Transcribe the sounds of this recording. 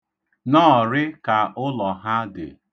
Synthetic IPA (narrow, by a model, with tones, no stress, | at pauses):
nɔː˦˨ɾɪ˦ka˨ʔʊ˦lɔ˨ɦa˦dɪ̰˨